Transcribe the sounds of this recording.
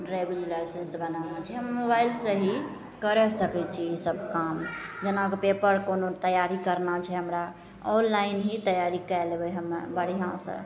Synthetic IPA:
ɾabəlilajsensbənanat͡ʃʰɛɦəmːobailsə̃ɦi | kəɾɛsəkɛt͡ʃʰiisəbkamd͡ʒenakepepəɾkonot̪əjaɾikəɾnat͡ʃʰɛɦəmɾa | ɔnlainɦit̪əjaɾikɛlebɛɦəmbəɽ̤iɦãsə̰̃

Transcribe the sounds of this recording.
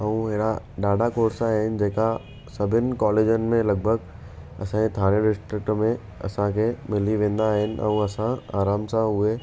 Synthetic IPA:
ɐũɦɪɦɽa | ɗaːɖʱakoːɾsaːɦɪnɪ̆d͡ʑeːka | sɐbʱɪnɪ̆kɔːleːd͡ʑənɪ̆mẽlɐɡ̚bʱəɡ | ɐ̰sãet̪ʰaːɽ̃eɖɪsʈɾɪk̚ʈmẽ | ɐ̰sãkʰeːmɪliʋẽːn̆d̪aːɦɪnɪ̆ʔɛ̰̃ũɐsãa̰ːɾaːmsãʊɦe

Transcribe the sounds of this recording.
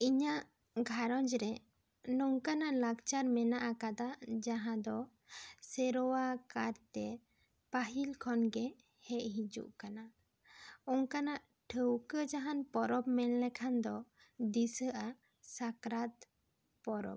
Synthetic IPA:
iɲaʔ | ɡʱaɾɔd͡ʒɾɛ | nɔŋkanaʔlakt͡ʃaɾmɛnaʔakad̪aʔd͡ʒaɦãd̪ɔ | sɛɾɔwakaɾt̪ɛ | paɦilkʰɔnɡɛ | hɛʔɦid͡ʒṵʔkana | ɔŋkanaʔ | ʈʰəwkəd͡ʒaɦanpɔɾɔbmɛnlɛkʰand̪ɔ | d̪isəʔa | sakɾat̪ | pɔɾɔ̰b̚

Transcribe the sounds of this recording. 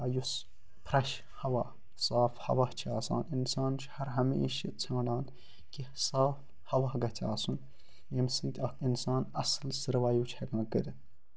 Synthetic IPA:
ajus | pʰɾɐʃ | hɐwaː | saːfhɐ̰wɐht͡ʃʰaːsa̰ːninsaːnt͡ʃʰhɐɾɦɐmḛʃit͡sʰãːɖaːn | ki | saːf | hɐʋɐːɡɐt͡sʰa̰ːsun | jemsɨnt̪ʰʲainsaːnɐslsɨɾʋaːjuːt͡ʃʰɐkãːkɨd̪ɨ

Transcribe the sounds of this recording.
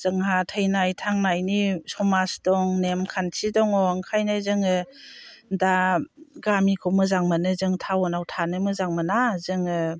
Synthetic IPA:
z̥ɯŋhatʰəjnajtʰaŋnajnisɔmasdɔŋnemkʰansʰidɔŋɔŋkʰajnajzɯŋɯ | daɡamikʰɔmɯzaŋmanɯzɯŋtʰawɔnawtʰanɯmɯzaŋmɯnazɯŋɯ

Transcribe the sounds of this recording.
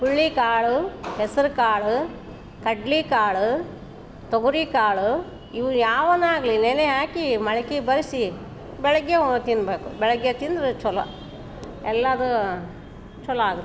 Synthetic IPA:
puɭːikaːɭuɦɛsɐɾukaːɭu | kɐɖlikaːɭu | t̪oɡuɾikaːɭu | iʋujaːʋɐnaːɡɐlineneɦaːkimɐɭɐkibɐɾsi | bɛɭɐɡːet̪inbeːkubɛɭɐɡjet̪ind̪ɾut͡ʃɔlɐ̰ | ɛlːɐd̪u | t͡ʃɔlɐaːɡut̪ː

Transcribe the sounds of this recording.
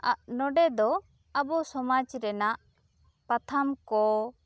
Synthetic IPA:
a̰ʔnɔɖɛd̪ɔ | abɔsɔmad͡ʒɾɛnaʔ | pat̪ʰamkɔ

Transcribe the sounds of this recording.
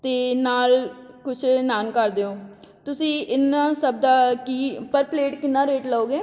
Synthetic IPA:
t̪eːnaːlkʊt͡ʃʰnaːnkəɾd̪eːoː | t̪ʊsĩːʔɪnːaːsəb̚d̪aːkiːpəɾpleːʈkɪnːaːɾeːʈləoːɡeː

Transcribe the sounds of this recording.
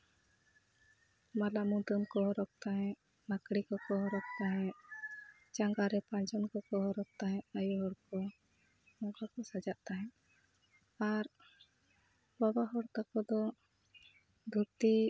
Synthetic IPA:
malamud̪ɔnkɔɦɔɾɔk̚t̪aɦɛ̃ʔ | nakɽikɔkɔɦɔɾɔk̚t̪aɦɛ̃ʔ | t͡ʃaŋɡaɾɛpãd͡ʒɔnkɔkɔɦɔɾɔk̚t̪aɦɛ̃ʔajuɦɔɽkɔ | ɔŋkakɔsad͡ʒaʔt̪aɦɛ̃ | aɾ | babaɦɔɽt̪akɔd̪ɔ | d̪ʱut̪i

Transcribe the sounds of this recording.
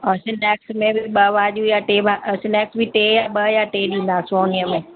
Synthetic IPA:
əsɪnɛːksmẽbɪɓɐʋaːʄjũjaʈeːbasɪnɛːksbɪʈeːjaɓɐjaʈeːɗĩːn̆d̪aːsoːniəmẽː

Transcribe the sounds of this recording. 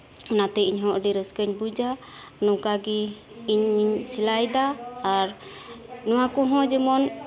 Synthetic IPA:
ɔnat̪ɛiɲɦɔ̃ʔɖiɾəskəɲbud͡ʒa | nɔkaɡiː | ɲiɲsilajd̪aːɾ | nɔwakɔɦɔ̃d͡ʒɛmɔn

